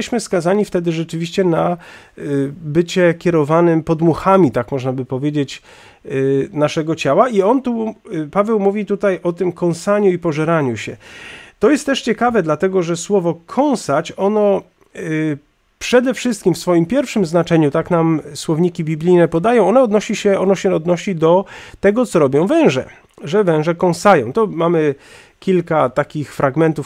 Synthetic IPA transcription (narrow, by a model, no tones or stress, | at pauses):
ɛɕmɘskazaɲift̪ɛd̪ɘʐɛt͡ʂɘvʲiɕt͡ɕɛna | bɘt͡ɕɛkʲɛɾɔvanɘmpɔd̪muxamʲit̪akmɔʐnabɘpɔvʲjed͡ʑet͡ɕ | naʂɛɡɔt͡ɕawaʔiɔnt̪upavɛwmuvʲit̪ut̪ajʔɔt̪ɘmkɔ̃w̃saɲuipɔʐɛɾaɲuɕɛt̪ɔjɛst̪ːɛʂt͡ɕɛkavɛd̪lat̪ɛɡɔʐɛswɔvɔkʰɔ̃w̃sat͡ɕɔnɔ | pʂɛd̪ɛfʂɘst̪kʲimfsfɔjimpʲjɛɾfʂɘmznat͡ʂɛɲut̪aknamswɔvɲikʲibʲiblʲijnɛpɔd̪ajɔ̃w̃ɔnɛɔd̪nɔɕiɕɛɔnɔɕɛɔd̪nɔɕid̪ɔt̪ɛɡɔt̪sɔɾɔbʲjɔ̃w̃vɛ̃w̃ʐɛ̰ | ʐɛvɛ̃w̃ʐɛkɔ̃w̃sajɔ̃w̃t̪ɔmamɘ | kʲilkat̪akʲixfɾaɡmɛnt̪uf